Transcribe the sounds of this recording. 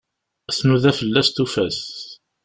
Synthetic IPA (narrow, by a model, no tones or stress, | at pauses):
θnuðæfəlːæst̪ufæs